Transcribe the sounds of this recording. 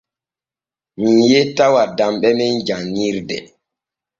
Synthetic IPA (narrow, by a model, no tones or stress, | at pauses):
mijetawadamɓɛmɛnd͡ʒaŋːiɾdɛ̰